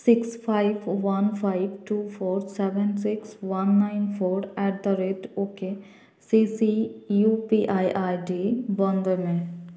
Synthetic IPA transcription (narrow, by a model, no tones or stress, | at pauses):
sɪkspʰaːɪbʋɐnpʰaɪbʈuːpʰoːɾsɛʋɛnsɪksʋanːaɪnpʰoːɾɛːʈ̚d̪əɾeʈoːke | sisijupiʔajʔaːjɖibɔnd̪əmẽ